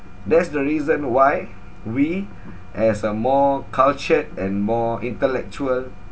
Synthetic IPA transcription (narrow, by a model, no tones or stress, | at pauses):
dɛtsdəɹizə̃nwaj | wi | ʔɛsəmɔkʰalt͡ʃət̚ɛ̃nmɔĩntəlɛk̚t͡ʃuəl